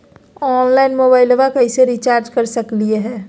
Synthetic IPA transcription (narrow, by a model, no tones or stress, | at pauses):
ɔːnlaːɪnmoːbaːɪlʋakɐɪseɾit͡ʃaːɾd͡ʒkɐɾsɐklieɦɛː